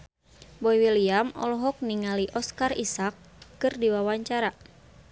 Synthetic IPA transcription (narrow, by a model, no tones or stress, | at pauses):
bɔiwiliamɔ̰lɔɦɔk̚niŋaliʔɔskarisakː | ɨrdiwawaɲt͡ʃaɾa